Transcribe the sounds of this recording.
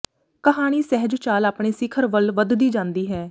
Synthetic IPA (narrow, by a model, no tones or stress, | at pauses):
kəɦaːɽ̃iːsɛɦəd͡ʒt͡ʃaːlaːpɽeːsɪkʰəɾʋəlʋəd̪d̪iːd͡ʒãːnd̪iːɦɛː